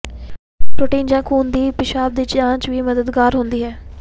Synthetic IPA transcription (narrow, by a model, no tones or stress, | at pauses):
pɾoːʈẽːnd͡ʒãːkʰuːnd̪iːpɪʃaːb̚d̪iːt͡ʃãːt͡ʃʋiːməd̪əd̪ɡaːɾɦʊnd̪iːɦɛː